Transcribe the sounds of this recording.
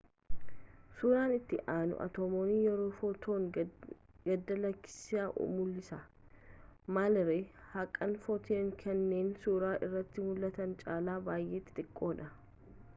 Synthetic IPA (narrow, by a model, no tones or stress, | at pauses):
suːɾaːnɪt̪ːɪʔaːnʊ̰ʔɐ̰t̪oːmoːnijɛɾoːfɔt̪ʰoːŋ | ɡɐd̪ːɐlɐkːɪ̥sɪaːʔo̰mʊlːɪsɐ | malɾehɐkʼːɐnfɔt̪ʰeːŋkʰɐnːe̞ːnsuːɾaːʔɪrːɐt̪ːɪmʊlːɐt̪ɐnt͡ʃʼaːlaːbaːjʔeːt̪ːɪ̥t̪ʼɪkʼːo̞ːᶑɐ